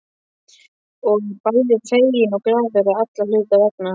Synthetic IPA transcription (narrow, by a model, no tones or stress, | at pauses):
ɔɣpajlɪfejjɪnɔkɾaːðɛɾaat̪lalʏːkavɛkna